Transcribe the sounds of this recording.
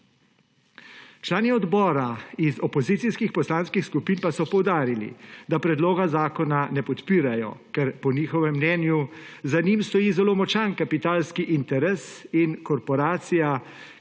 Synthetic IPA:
t͡ʃlaːniɔd̪bɔːɾaizɔpɔziːt̪siskixpɔslaːnskixskupiːnpasɔpɔwd̪aːɾilḭd̪apɾɛd̪loːɡazaːkɔnanɛpɔt̪piːɾajɔ̰kɛɾpɔniːxɔʋɛmːnɛːnjuzanimst̪ɔjiːzɛloːmɔt͡ʃankapit̪aːlskiʔint̪ɛɾeːsinkɔɾpɔɾaːt̪sija

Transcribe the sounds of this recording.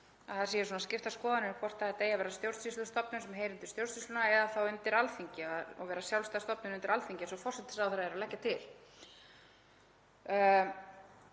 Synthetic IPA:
aθaðsiːjɪsuːnascɪft̪askɔːðanɪnkʰvɔr̥t̪aɛɾt̪ejavɛːɾast̪jowɾ̥ssislʏst̪ɔpnʏsɛmɦeːjɾɪnt̪ɪ̥st̪jowɾ̥sislʏnaɛðaθawɪnt̪ɪɾalθiɲcɪaðɔ̰ɣvɛːɾasjawlst̪ast̪ɔpnʏnʏnt̪ɪɾalθiɲcɪɛsɔfɔr̥sɛt̪ːɪ̥sawθɛɾaɛɾalɛhcːat̪ʰɪl

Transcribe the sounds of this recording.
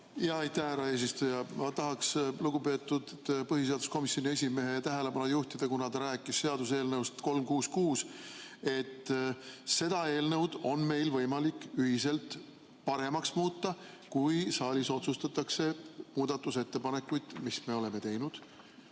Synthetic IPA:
jjɑejt̪æhæɾɑe̞ːs̬ist̪ujɑmɑt̪ɑɦɑksluɡ̥upe̞ːt̪ːˑud̪̥pɤɦiseɑd̪usko̞misjo̞nʲie̞sʲime̞ɦe̞jɑt̪æɦele̞bɑnujuht̪id̪̥ekunɑd̪ɑɾæːkːˑisːe̞ɑd̪̥use̞ːlnɤwst̪ko̞lmkuːskuːse̞t̪ː | se̞d̪̥ɑe̞ːlnɤwd̪̥o̞nme̞jlvɤjmɑlikːˑyɦise̞lt̪ | pɑɾe̞mɑksmuːt̪ːɑ | kujsɑːlʲiso̞t̪sust̪ɑt̪ːˑɑkse̞muːd̪̥ɑt̪ːˑuse̞t̪ːe̞pɑne̞kːujd̪̥misme̞o̞le̞me̞t̪e̞jnud̪̥

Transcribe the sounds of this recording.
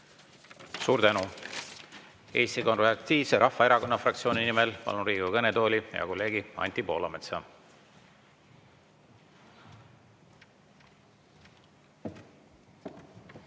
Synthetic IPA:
suːɾt̪ænu | e̞ːst̪iko̞nreɑt̪iːseɾʔɑhfːɑeɾɑko̞nːɑfrɑkt̪sio̞ːnʲinimelpɑ̰lnuɾiːɡukɤnet̪o̞ːlʲijɑ̰ko̞lːe̞ːɡiɑ̰nʲt̪ipo̞ːlɑmet̪sɑ

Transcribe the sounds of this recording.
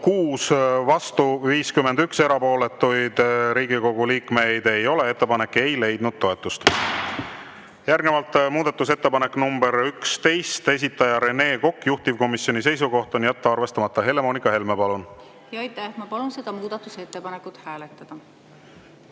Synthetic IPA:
kuːsvɑst̪uviːskymend̪ykse̞ɾɑpo̞ːle̞t̪ːˑujd̪ɾiːɡiko̞ɡ̥uliːkme̞jd̪̥e̞jo̞le̞e̞t̪ːepɑne̞kːe̞jle̞jd̪̥nud̪̥̚t̪o̞e̞t̪ːˑust̪ | jærɡnevɑlt̪ːˑmuːd̪ɑt̪ːˑuse̞t̪ːe̞pɑne̞kːnumbe̞ɾykst̪e̞jst̪e̞s̬ʲit̪ːˑɑjɑɾe̞ne̞ːko̞kːˑjuht̪ivko̞misːjonis̬e̞js̬uɡo̞ht̪ˑo̞njæt̪ːeɑrve̞st̪ɑmɑt̪ˑːɑɦe̞le̞mo̞ːnikːˑɑhe̞lmepɑlun | jɑɑjt̪ːæhmɑpɑlunse̞d̪̥ɑmuːd̪̥ɑt̪ːˑuset̪ːepɑnekːˑut̪hæːlet̪ːˑɑd̪̥ɑ

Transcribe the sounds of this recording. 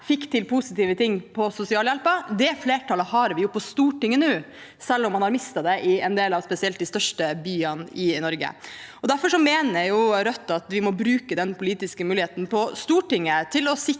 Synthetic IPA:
fɪkːt̪ʰɪlpʰʊsɪt̪iːʋət̪ʰɪŋːpʰɔsʊsɪɑːljɛlpɑd̪ɛfleːʈʰɑləhɑɾʋɪjʊpʰɔst̪uːʈɪŋːənʉː | sɛlːɔmːɑnhɑɾmɪst̪ɑd̪ɛʔɪɛnd̪eːlɑʋspɛsɪɛlt̪d̪ɪst̪œʂʈəbyːɑnɪnɔɾɡə̰ɔd̪æɾfɔʂɔmeːnəjʊɾœt̪ːɑt̪ʋɪmɔbɾʉːkəd̪ɛnpʰʊliːt̪ɪskəmʉːlɪeːt̪n̩pʰɔst̪uːʈɪŋːət̪ʰɪlɔsɪ

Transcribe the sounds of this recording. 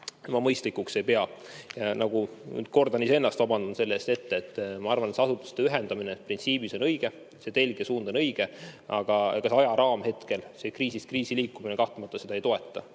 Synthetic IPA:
mɑmɤjst̪likːˑukse̞jpe̞ɑjɑnɑɡ̥uny̰ːd̪̥̚ko̞rd̪ɑnisee̞nːɑst̪vɑbɑnd̪̥unse̞lːe̞st̪e̞t̪ːeet̪ːmɑɑrvɑnet̪sɑsut̪ːˑu̥st̪e̞yɦeɛnd̪ɑminetprint̪siːbiso̞nɤjɡ̥e̞ | se̞t̪e̞lɡ̥esuːnd̪̥o̞nɤjɡ̥e̞ɑ̰ɡ̥ɑkɑsɑjɑɾɑːmhe̞t̪ke̞lse̞kriːsist̪kriːsiliːkːˑuminekɑht̪umɑt̪ːˑɑse̞d̪̥ɑejt̪o̞e̞t̪ːˑɑ

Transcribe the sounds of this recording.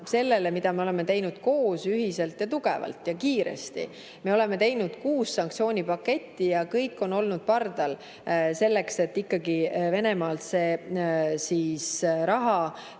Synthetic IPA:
se̞lːe̞le̞mid̪ɑme̞o̞le̞me̞t̪e̞jnud̪̥ko̞ːsyɦise̞lt̪jɑt̪uɡ̥e̞̰vɑ̰lt̪jɑkiːɾḛst̪ḭ | me̞o̞le̞me̞t̪e̞jnud̪̥kuːsːɑŋkt̪sio̞ːnʲipɑke̞t̪ʲːijɑkɤjkːˑo̞no̞lnud̪̥̚pɑrd̪̥ɑl | se̞lːe̞kse̞t̪ːikːɑɡive̞ne̞mɑːlt̪se̞ː | siːsɾɑɦɑ

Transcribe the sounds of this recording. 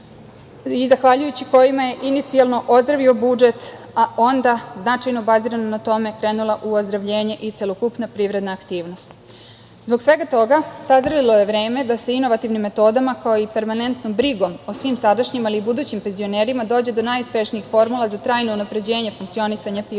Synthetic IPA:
izaxʋaʎujut͡ɕiko̞jimaje̞ʔinit̪sialˠno̞ʔo̞zd̪ɾaʋio̞bud͡ʒe̞t̪ | aʔo̞nd̪aznat͡ʂajno̞baziɾanonat̪o̞me̞kɾe̞ːnulˠaʔuozd̪ɾaʋʎe̞ːɲe̞ʔit̪se̞lokupnapɾiʋɾe̞d̪naːkt̪iːʋno̞st̪ | zbo̞ksʋe̞ɡat̪o̞ɡasazɾalilo̞je̞ʋɾe̞ːme̞d̪ase̞ino̞ʋat̪iʋnimːe̞t̪o̞ːd̪amakaoipe̞ɾmane̞nt̪no̞mbɾiɡo̞mosʋimsad̪aʃɲimaliːbud̪uːt͡ɕimpe̞nzio̞ne̞ːɾimad̪o̞ːd͡ʑe̞d̪o̞najuspe̞ʃniixfo̞ɾmulˠazat̪ɾaːjno̞unapɾe̞d͡ʑe̞ːɲefuŋk̚t̪io̞nisaɲapi

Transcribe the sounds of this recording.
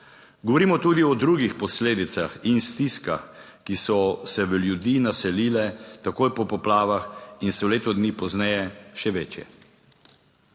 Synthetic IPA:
ɡɔʋɔɾiːmɔt̪uːd̪iɔd̪ɾuːɡixpɔsleːd̪it̪saxinst̪iska̰x | kisɔsɛʋəljud̪iːnasɛliːlɛt̪akojpɔpɔplaːʋaxinsɛwleːt̪ɔd̪nipɔznɛjɛʃɛʋeːt͡ʃjɛ̰

